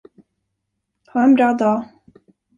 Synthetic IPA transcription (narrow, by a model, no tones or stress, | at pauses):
hɑɛnbɾɑːd̪ɑː